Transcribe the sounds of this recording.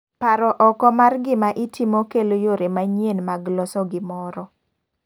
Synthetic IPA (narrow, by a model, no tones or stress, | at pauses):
paɾɔʔɔkɔmarɡɪmaʔitimɔkelojoɾemaɲenmaɡlɔsɔɡɪmɔɾɔ